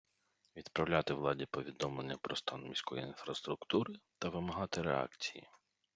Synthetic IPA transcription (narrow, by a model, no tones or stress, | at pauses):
ʋʲid̪pɾɐwlʲat̪ɪwlˠɑdʲipɔʋʲid̪ɔmlˠenʲːɐpɾɔst̪ɑnmʲisʲkɔjiinfɾɐst̪ɾʊkt̪uɾɪt̪ɐʋɪmɐɦɑt̪ɪɾḛɑ̰kt͡sʲijḭ